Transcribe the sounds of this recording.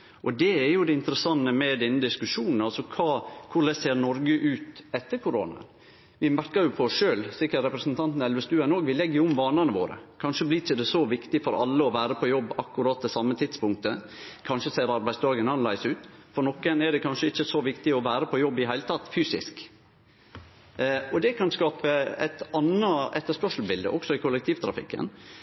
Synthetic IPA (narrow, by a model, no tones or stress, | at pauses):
ʔɔd̪ɛɛɾjʊd̪ɛɪnt̪əɾəsɑnːəmɛd̪ɛnːəd̪ɪskʉʂuːnn̩ɑlsɔkʰɑːkʰʊɖ̪ɛseːɾnɔɾɡəʔʉːt̪ɛt̪ːəɾkʰʊɾo̰ːnɑ̰ | ʋɪmæɾkɑjʊpʰɔɔsʂøːlsɪkːəɾɾɛpɾɛsnt̪ʰɑnt̪n̩ɛlʋəst̪ʉːɛnoːɡʋɪlɛɡːəjʊʊmʋɑːnɑnəʋo̰ːɾə̰kʰɑnʂəblɪɪçəd̪ɛsɔʋɪkt̪ɪfɔɾɑ̰lːəɔʋæːɾəpʰɔjɔbːɑkːʉɾɑːt̪̚d̪ɛsɑmːət̪ʰɪt̪spʊŋk̚t̪ə | kʰɑnʂəseːɾɑɾbæɪsd̪ɑːɡənɑnlæɪsʉːt̪fɔɾɳɔkːənɛɖ̪ɛkʰɑnʂəɪçːəsɔʋɪkt̪ɪɔʋæːɾəpʰɔjɔbːɪɦæɪlət̪ʰɑt̪ːfyːsɪ̰sk | ɔd̪ɛkʰɑnskɑːpəæ̰ɪt̪ɑnəɛt̪ːəʂpœʂl̩bɪld̪ə̰ʔɔksɔɪkʰʊlɛk̚t̪ʰiːʋt̪ʰɾɑ̰fɪ̰kːə̰n